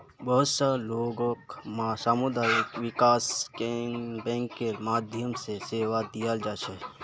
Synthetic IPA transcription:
bəɦʊt̪saloːɡokmsaːmʊd̪aːjəkʋɪkaːskebɛ̃ːŋkːeɾmaːd̪ʱjəmseseːʋad̪ijald͡ʒaːt͡ʃʰe

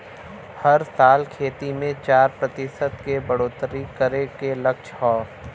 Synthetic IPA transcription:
hɐɾsaːlkʰeːt̪imẽt͡ʃaːɾpɾɐt̪ɪʃəd̪kebɐɽoːt̪ɾikəɾekelɐkʃʰhɔː

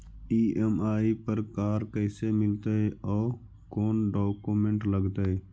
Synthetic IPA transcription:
iːʔemaːipəɾkaːɾkɛːsemɪlt̪aɦɛʔɔː | koːnɖoːkumẽɳʈləɡt̪aɦɛː

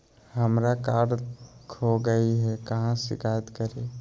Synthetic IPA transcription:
ɦəmɾakaɖkʰoɡəiɦɛkəɦãsḭkʰajət̪kəɾe

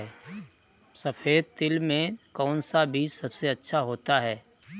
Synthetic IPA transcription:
ɛ | sɐfʰeːd̪̚t̪ɪlmẽkɔːnsabʱiːd͡ʒsɐbseɐtːʃʰaɦoːt̪aɦɛː

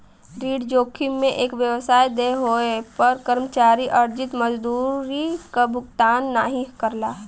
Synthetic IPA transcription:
ɾiːɽd͡ʒoːkʰimẽʔeːkʋjəwsaːjd̪eɦoepəɾkəɾmət͡ʃaːɾiʔəɾd͡ʒɪt̪məd͡ʒd̪uːɾikabʱʊɡt̪aːnːaːɦĩkəɾlaː

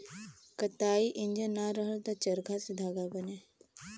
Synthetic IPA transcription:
kət̪aːiʔɪnd͡ʒənaɾəɦəlt̪at͡ʃɐɾɡʱased̪ʱaːɡabəneː

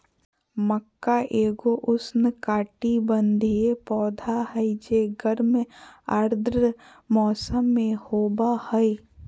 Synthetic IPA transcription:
məkːaʔeːɡoʔʊsnəkaːʈibənd̪ʱiepɔːd̪ʱaɦəid͡ʒeːɡəɾmeəɾd̪ɾə | mɔːsəmːẽhoːbahəi

